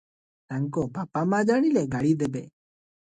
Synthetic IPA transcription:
t̪aŋkɔpapamad͡ʒaɽilɛɡaɽid̪ɛbɛ

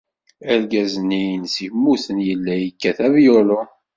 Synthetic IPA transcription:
æɾɡæznijənsiçmːuθənjəlːæjəkːæθævjolo

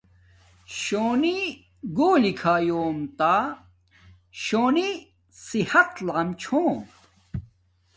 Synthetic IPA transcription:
ɕoːni | ɡoːlikʰaːjoːmt̪a | ɕoːni | sihɐt̪laːmt͡ɕʰoːm

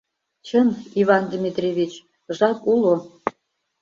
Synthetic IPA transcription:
t͡ɕəmiβɑnd̪ʲimʲit̪rʲeβʲit͡ɕ | ʒɑpulo

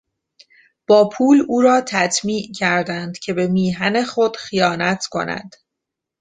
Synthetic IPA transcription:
b̥ɒːpʰuːluːɾɒːt̪ʰæt̪ʰmiːʔcʰæɾd̪ænd̪̥cʰe̞be̞miːɦæne̞xo̞d̪̥xijɒːnæt̪ʰkʰo̞̰næ̰d̪̥

